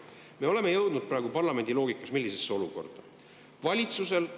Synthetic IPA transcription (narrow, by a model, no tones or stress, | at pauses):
me̞o̞le̞me̞jɤwd̪̥nud̪̥̚pɾɑːeɡ̥upɑrlɑme̞nʲd̪ilo̞ːɡikːˑɑsmilːisesːeo̞luko̞̰rd̪̥ɑ | vɑlʲit̪suse̞l